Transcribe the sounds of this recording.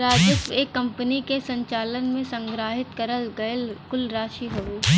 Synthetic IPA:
ɾaːd͡ʒəseːkːɐ̃mpənikesɐ̃ɲt͡ʃaːlənmẽsɐ̃ŋɡɾaːɦɪt̪kɐɾəlɡɐlkʊlɾaːʃiɦoeː

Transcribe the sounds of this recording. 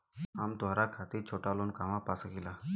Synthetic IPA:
amt̪ɦaɾakʰat̪iɾt͡ʃʰoʈaluːnkamapasəkila

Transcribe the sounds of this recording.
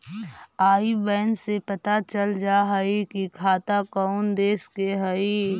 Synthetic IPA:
aːibɛːnsepət̪at͡ʃəld͡ʒaːɦəikikʰaːt̪akəʊnd̪eːskeɦəi

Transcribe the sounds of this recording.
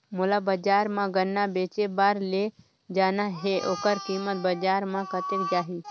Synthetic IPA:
mʊlabəd͡ʒaːɾmãɡənːabeːt͡ʃebaːɾle | d͡ʒaːnaɦeʔoːkəɾkiːmət̪̚bɐd͡ʒaːɾmãkət̪ekd͡ʒaːɦi

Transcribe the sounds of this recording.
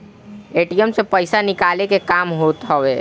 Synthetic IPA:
eʈijəmsepəɪsanikalekekamɦot̪ɦəwe

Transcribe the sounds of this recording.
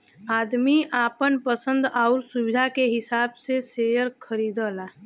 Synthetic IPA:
aːd̪miʔaːpənpəsə̃nd̪aʊɾsuwɪd̪ʱakeɦɪsaːbseseəɾkʰəɾiːd̪əːla

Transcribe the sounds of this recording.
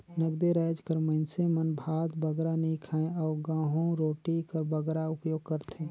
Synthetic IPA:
nəɡd̪eɾɛːd͡ʒkəɾməɪnsemənbʱaːd̪bəɡɾanəɦĩkʰaːẽɔːɾɡãːɦõɾoːʈikəɾbəɡɾaʊpjoːɡ̚kəɾt̪ʰẽː

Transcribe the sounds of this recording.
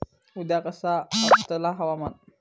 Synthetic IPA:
ud̪akəsaast̪əlaɦawaman

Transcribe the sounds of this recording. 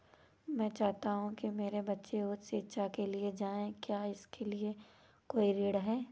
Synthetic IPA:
mɛ̃ːt͡ʃaːɦt̪aɦũkimeːɾebɐtːʃeot̪seːʃʰakelied͡ʒaːẽkjaːɪskʰelie | koːiɾeːɽɦɛː

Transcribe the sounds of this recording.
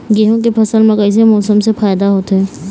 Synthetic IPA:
ɡeːɦõkepʰɐsəlmẽkəɪs̬emɔːsəmsefʰaːjd̪aɦoːt̪ɦɛː

